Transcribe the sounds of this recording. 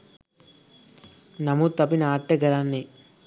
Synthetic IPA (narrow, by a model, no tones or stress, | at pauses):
nɐmut̪ɐpinɐaːʈːɐɡɐɾaːnːi